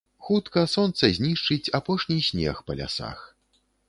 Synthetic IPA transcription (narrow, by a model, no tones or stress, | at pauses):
xut̪kɐsɔnt̪sɐzʲnʲiʂt͡ʂɨt͡sʲapɔʂnʲisʲnʲɛ̰xpɐlʲa̰sa̰x